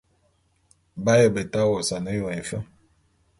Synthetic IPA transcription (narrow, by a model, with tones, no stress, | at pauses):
ba˦jə˨bə˨ta˦wɔ˨sa˨nə˦jo˨ɛ˨fə˦